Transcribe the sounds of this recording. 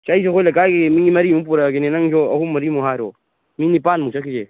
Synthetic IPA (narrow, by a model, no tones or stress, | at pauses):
t͡ʃaisoxoilɐkaːkemiimɐɾimũp̬uɾaɡenenɐŋt͡ʃoːɐhumɐɾimuɦaːɾo̰ː | minipaːnmũt͡ʃʰɐkid͡ʒe